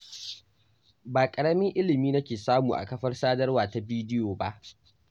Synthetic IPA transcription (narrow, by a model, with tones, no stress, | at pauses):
baː˨kʼɐ˨ɽɐ˦mɪ˦ŋʔɪ˦lɪ˨miː˦nɐ˦kʲeː˨saː˦muː˨ʔa̰˨kɐ˦ɸɐ˦rsaː˦dɐ˦rwaː˨ta˨biː˦dɪ˦joː˨ba˦ʔ